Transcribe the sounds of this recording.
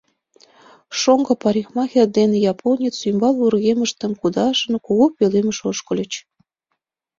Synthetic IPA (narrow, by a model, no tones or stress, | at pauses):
ʃoŋɡɤ̆pɑɾʲixmɑxerd̪enejɑpʰonʲet͡symbɑlurɣeməʃt̪ə̆mkud̪ɑʃə̆nkuɣopøleməʃoʃkə̆lʲət͡ɕ